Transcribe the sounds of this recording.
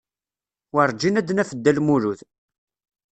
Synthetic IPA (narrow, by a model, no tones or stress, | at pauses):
wəɾˤd͡ʒinæd̪næfəd̪ːælmuɾuθ